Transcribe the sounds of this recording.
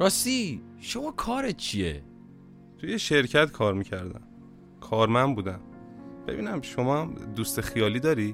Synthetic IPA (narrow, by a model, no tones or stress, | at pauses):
ɾɒːst̪i | ʃomɒːkʰɒːɾet̪̚t͡ʃʰiḛ | t̪ʰujeʃe̞ɾcʰæt̪kʰɒːɾmicʰæɾd̪æ̰m | kʰɒːɾmænd̪buːd̪æn | b̥e̞bḭːnæmʃo̞mɒːhæmd̪ust̪exijɒːliːd̪ɒːɾi